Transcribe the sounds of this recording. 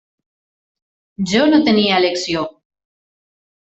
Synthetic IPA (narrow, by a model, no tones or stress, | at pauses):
d͡ʑonot̪enialeksjo